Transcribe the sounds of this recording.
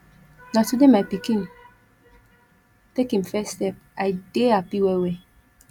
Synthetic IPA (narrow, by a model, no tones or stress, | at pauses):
natudemajpikĩn | tekĩmfɛstɛp̚ | ajdeapiwɛwɛ